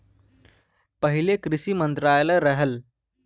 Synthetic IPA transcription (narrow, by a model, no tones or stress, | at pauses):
pəɦilekɾisimənt̪ɾajləɾəɦəl